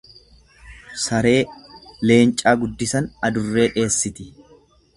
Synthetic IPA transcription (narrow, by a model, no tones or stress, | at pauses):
sɐɾe̞ːle̞ːnt͡ʃʼaːɡʊd̪ːɪsɐnɐd̪ʊrːe̞ːᶑe̞ːsːɪt̪ɪ